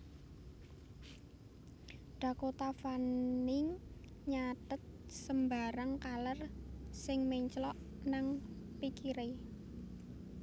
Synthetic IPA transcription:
ɖ̥ä̤kot̪afanɪŋ | ɲat̪ət̪̚səmbaɾaŋkalərsɪŋmeɲt͡ʃlɔʔ | naŋ | pikiɾe

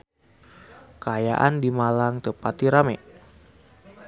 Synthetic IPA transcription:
kaja̰ʔandimalaŋt̪əpat̪iɾamɛ̰

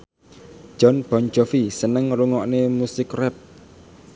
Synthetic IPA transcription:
ʒ̥ɔnb̥ɔnd͡ʒɔfisənəŋɾuŋɔʔnemusɪkrɛp̚

